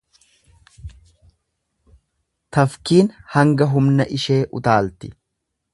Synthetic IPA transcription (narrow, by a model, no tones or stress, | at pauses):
t̪ɐfkiːnhɐŋɡɐɦʊmnɐʔɪʃe̞ːʔʊ̰t̪aːlt̪ɪ